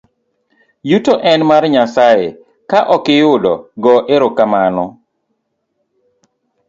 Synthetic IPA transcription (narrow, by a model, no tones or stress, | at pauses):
jutoʔɛnmarɲasaje | kaʔɔkɪjʊdɔ̰ɡɔʔeɾokamanɔ